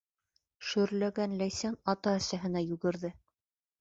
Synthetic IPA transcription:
ʃɵ̆ɾlæɡænlæjsænɑt̪ɑæsæɦɘ̆næjʉɡɘ̆ɾðɘ

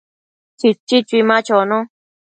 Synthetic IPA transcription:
t͡ʃit͡ʃit͡ʃimãt͡ʃonõ

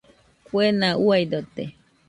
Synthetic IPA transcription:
kwenãuajd̪ot̪ḛ

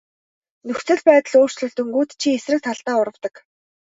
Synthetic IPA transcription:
nɵxt͡sɘ̆ɮpæːt̪ə̆ɮoːr̥t͡ɕɮɵ̆ɮt̪ɵŋɡuːt̪t͡ɕʰiesrɘ̆k̚t̪ʰaɮt̪aːʊɾə̆wt̪ə̆k

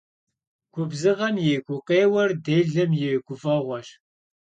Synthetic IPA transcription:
kʷʰʼʊbzɨʁɐmjeːkʷʼʊqeːwɐrdeːɮɐmjeːɡʷʼʊfɐʁʷɔɕ

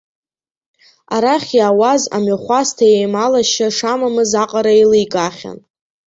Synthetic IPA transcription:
aɾaχʲjaːwaza̰maχʷastʰajejmalaʃaʂamamɨzaqʼaɾailɨjkʼaχʲa̰n

